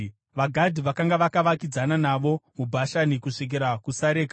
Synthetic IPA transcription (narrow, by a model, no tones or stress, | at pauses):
ʋaɡʱadʱiʋakaŋɡaʋakaʋakid͡zananaʋo̞mubʱaʃanikuʂek̬eɾakusaɾeːka